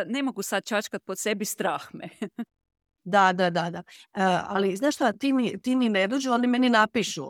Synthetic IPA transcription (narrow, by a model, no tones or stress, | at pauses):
nemoɡusad̪̚t͡ʃat͡ʃkat̪̚pot̪sebist̪ɾaːxme | d̪ad̪ad̪ad̪aəa̰liznaːʃt̪oat̪init̪iːnined̪ud͡ʒuond̪imeninapiʃṵ